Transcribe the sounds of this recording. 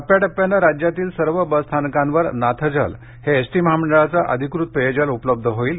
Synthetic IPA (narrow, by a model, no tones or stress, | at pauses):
əpjaʈəpjanːaɾad͡ʑjat̪iːlsəɾʋəbəst̪ʰankãnʋəɾnat̪ʰəd͡zʱə̰l | heesʈiːməɦaməɳɖəɭat͡saʔə̰d̪ʱikɾut̪̚pejed͡ʑalupləb̚d̪ʱəɦoiːl